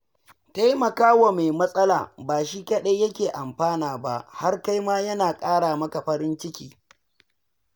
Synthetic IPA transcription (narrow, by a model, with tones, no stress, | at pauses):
ta˦jmɐ˨kaː˦wa˨ma˨jmɐ˦sʼɐ˦la̰ː˨baː˨ʃiː˦kɐ˦ɗe˦jɐ˦kʲeː˨ʔa˨mɸaː˦naː˨ba˦ha˦rka˦jmaː˦jɐ˦naː˨kʼaː˦ɽaː˨mɐ˦ka˨ɸɐ˦ɾɪ˦nt͡ʃɪ˦kʲiː˨